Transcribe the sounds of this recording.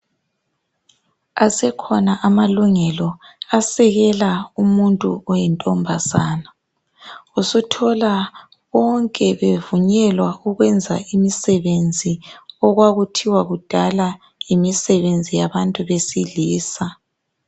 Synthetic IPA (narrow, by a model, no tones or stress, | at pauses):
asɛkʰɔnaʔamaluŋɛlɔasɛɣɛlaumuntʼuɔjɛntʼɔmbʱazaːna | usutʰɔla | βɔŋkʼɛβevuɲɛlwauɣwɛnd͡zʱaʔimisɛβend͡zʱiɔɣwaɣutʰiwaɣud̥ʱala | imisɛβend͡zʱijaβantʼuβesiliːsa